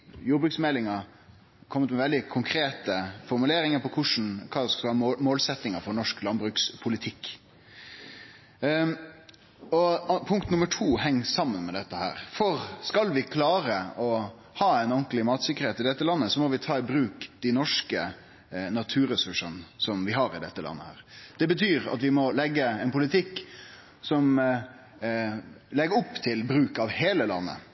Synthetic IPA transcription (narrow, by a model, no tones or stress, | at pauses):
jʊːbɾʉːksmɛlɪŋɑ | kʰɔmːət̪mɛʋɛld̪ɪkʰʊŋkʰɾeːt̪əfɔɾmʉleːɾɪŋəɾpɔkʰʊʂn̩kʰɑːd̪sɑlmoːlsɛt̪ːɪŋəɾfɔɾnɔʂklɑnbɾʉːkspʰʊlɪt̪ʰɪkː | ɔpʰʊŋkt̪nʊməʈʰuːhɛŋːsɑmːənmɛd̪ɛt̪ːəhæ̰ːɾfɔɾskɑlʋɪkʰlɑːɾəɔ | hɑːɛnɔnklɪmɑːt̪sɪkːəɾheːt̪ɪd̪ɛt̪ːəlɑnːəsɔmɔʋɪt̪ʰɑːɪbɾʉːkd̪̥ɪnɔʂkə | nɑt̪ʰʉːɾəsʉʂənsɔmʋɪɦɑːɾɪd̪ɛ̰t̪ːəlɑ̰nːə̰hæ̰ːɾd̪̥ɛbət̪ʰyːɾɑ̰t̪ʋɪmɔlɛɡːəɛnpʰʊlɪt̪ʰɪkː | sɔm | lɛɡəɾʊpːt̪ʰɪlbɾʉːkɑʋheːləlɑ̰nːə̰